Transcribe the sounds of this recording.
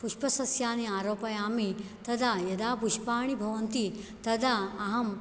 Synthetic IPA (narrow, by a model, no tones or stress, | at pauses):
puʂpɐsɐsjaːniaːɾoːpɐjaːmit̪ɐd̪aːjɐd̪aːpuʃpaːɳ̃ibʱɐʋɐnt̪it̪ɐd̪aːɦɐm